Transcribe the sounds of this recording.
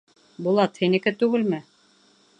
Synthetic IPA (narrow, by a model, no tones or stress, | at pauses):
bulˠɑt̪hinɘ̆kɘt̪ʉɡɘlmɘ